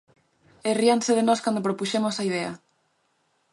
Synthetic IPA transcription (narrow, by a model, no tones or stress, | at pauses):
erianseðenɔskand̪opɾopuʃemosaið̞ɛɐ̰